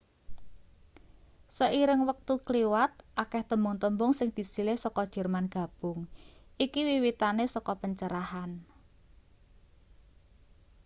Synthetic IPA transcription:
səʔiɾɪŋwək̚t̪ukliwat̪̚ʔakɛht̪əmbʊŋt̪əmbʊŋsɪŋd̪̥i̤silɪhsɔkɔd̥ʒ̥ɛ̤rmanɡ̥a̤b̥ʊ̤ŋʔikiwiwit̪anesɔkɔpəɲt͡ʃəɾahan

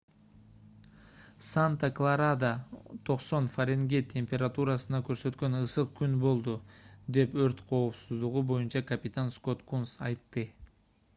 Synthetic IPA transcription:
sant̪aklˠaɾad̪at̪ʰo̞qso̞nfɐɾʲeŋɡʲet̪ʰʲe̞mʲpʲe̞ɾat̪uɾasɯnɑkø̞ɾsø̞t̪kø̞nɯsɯq̚kynbo̞lˠd̪ud̪e̞pøɾt̪qʰo̞ːpsuzd̪uʁubo̞junt͡ʃɑkɐpʲɪt̪ansko̞t̪kunsɑjt̪ːɨ

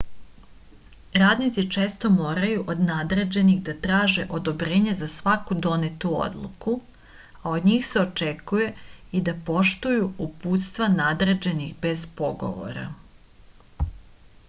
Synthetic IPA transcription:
ɾaːd̪nit̪sit͡ʃe̞ːst̪o̞moːɾajuʔo̞d̪nad̪ɾe̞d͡ʑe̞niɣd̪at̪ɾaːʒeʔo̞d̪o̞bɾe̞ːɲezasʋakud̪o̞net̪uo̰d̪lˠṵku | ao̞d̪ɲiːxse̞o̞t͡ʃekuje̞id̪apo̞ʃt̪ujuupuːt̪st̪ʋanad̪ɾe̞d͡ʑe̞nixbe̞zpo̞ɡo̞̰ʋo̰ɾa̰

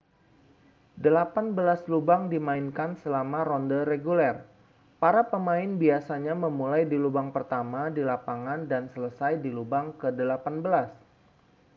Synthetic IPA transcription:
dəlapanbəlaslubaŋdimaɪnkansəlamaɾɔndəreɡulɛr | paɾapəmaɪnbiasaɲaməmulajdilubaŋpərt̪amadilapaŋandansələsajdilubaŋkədəlapanbəlas

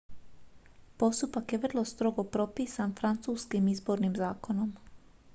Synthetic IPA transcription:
po̞st̪upakjeʋr̩lˠo̞st̪ɾo̞ɡo̞pɾo̞piːsanfɾant̪suːskimizbo̞ɾnimzaːko̞no̞m

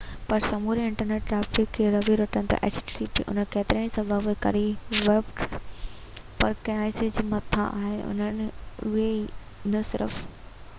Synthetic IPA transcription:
pɐɾsɐmuːɾiɪ̃ɳʈəɾneːʈ̚ʈɾaːfɪkʰːeɾɐʋiɾɐʈənɪ̆t̪ɐ̰ʔḛt͡ʃsipḭʔʊ̰n̤ənkeːt̪ɪɾəɽ̃ĩsɐ̃bʱɐʋekɐ̰ɾiʋeːpʈ | pɐɾkɐaːɪsɪd͡ʑmɐt̪ʰã̰a̰ːɦɪnʊ̰nənɪʊɦe | nɐsɪɾə̰f

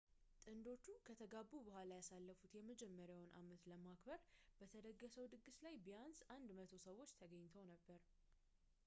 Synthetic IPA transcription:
t̪ʼɨnd̪o̞t͡ʃːukʰət̪ʰəɡabːubəɦʷalajasalːəfut̪jɛməd͡ʒɛmːəɾjawnʔa̰mət̪ləmakbəɾbət̪ʰəd̪əɡːəsəwd̪ɨɡɨslajbijansʔand̪mət̪ʰo̞səwːo̞t͡ʃːt̪ʰəɡəɲːt̪ʰəwnəbːəɾ

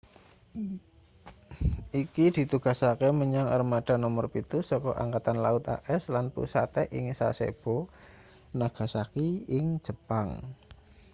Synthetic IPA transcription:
ikid̪̥i̤t̪uɡ̥a̤sakeməɲaŋə̰rmaɖ̥a̤nɔmərpit̪usɔkɔʔa̰ŋkat̪anlaʊt̪a̰ʔɛslanpṵsa̰t̪ɛʔɪŋsa̰sḛb̥o | naɡ̥a̤sakiɪŋ̥d͡ʒ̥ə̤paŋ

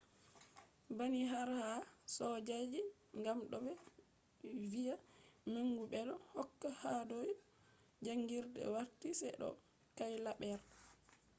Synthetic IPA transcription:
baniɦaɾhasɔd͡ʒad͡ʒi | ŋɡamɗɔbɛ | vijameŋɡuɓɛlɔhɔkːahadɔj | d͡ʒaŋɡiɾdɛ̰waɾtisɛɗɔ̰ | kajlaɓɛɾ

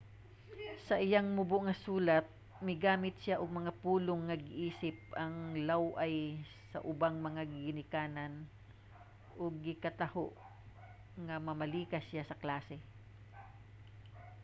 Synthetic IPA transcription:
sɐʔɪjaŋmʊboʔŋɐsuːlɐt̪̚ | mɪɡaːmɪt̪̚sjaʔʊɡ̚mɐŋapuːloŋːɐɡɪʔiːsɪp̚ʔɐŋlawʔɐj | sɐ̰ʔʊbaŋmɐŋaɡɪnɪkaːnɐn | ʔoɡ̚ːɪkɐt̪ɐhoʔ | ŋɐmɐmɐliːkɐsjasɐklaːsɛ

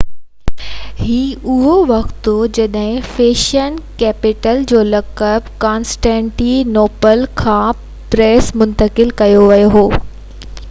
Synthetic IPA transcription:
hɦiːʊɦoʋɐkt̪ud͡ʑɐɗɦɪ̃feːʃənkɛːpɪʈəld͡ʑoːlɐkəbkaːnsʈẽːɳʈinoːpəlkʰãː | pɾeːsmʊ̃nt̪əkɪlkɐjoʋɐjoɦoː

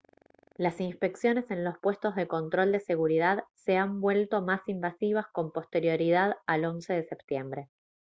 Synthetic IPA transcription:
lasinspe̞ksjo̞ne̞sẽ̞nlo̞spwe̞st̪o̞zðe̞ko̞nt̪ɾo̞ld̪e̞se̞ɣuɾið̞aðse̞ambwe̞lt̪o̞masimbasiβ̞asko̞mpo̞st̪e̞ɾjo̞ɾið̞aðalo̞nse̞ðe̞sep̚t̪je̞mbɾe̞

